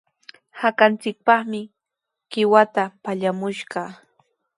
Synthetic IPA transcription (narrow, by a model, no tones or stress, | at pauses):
hakant͡sɪk̚pɑχmɪ | ɢ̥ɪwat̪apaʎamʊʃɢɑ